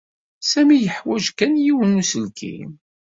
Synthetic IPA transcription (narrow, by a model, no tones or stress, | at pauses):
sæmijəħwæʒkænjiwənusəlkʰḭm